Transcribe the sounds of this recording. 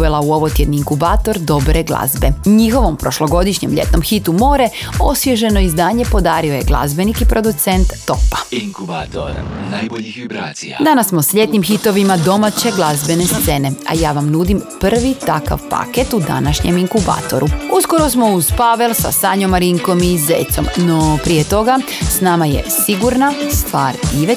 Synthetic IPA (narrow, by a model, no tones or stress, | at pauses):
ʋelˠauo̞ʋot̪jed̪niiŋkubaːt̪o̞ɾd̪o̞bɾeɡlˠa̰zbeɲixo̞ʋo̞mpɾo̞ʃlˠo̞ɡo̞d̪iʃɲe̞mʎḛt̪no̞mxit̪umo̞ːɾe̞o̞̰sʋʲjeʒe̞no̞izd̪aːɲe̞po̞d̪aːɾio̞je̞ɡlˠa̰zbe̞nikipɾo̞d̪ut̪sent̪ːo̞pḁ | d̪anasːmo̞sʎe̞t̪nimxit̪o̞ʋimad̪o̞mat͡ɕe̞ɡlˠazbe̞ne̞st̪se̞ne̞a̰jaːʋamnud̪impr̩ʋit̪aka̰ʋpa̰ket̪ud̪a̰naʃɲemiŋkuba̰ːt̪o̞̰ɾuusko̞ɾo̞smo̞uzpaʋelˠsa̰saːɲomaɾiŋko̞mizḛːt̪so̞̰mnopɾijet̪o̞ɡa | snaːmajḛsiɡuɾnast̪ʋa̰ːɾiʋe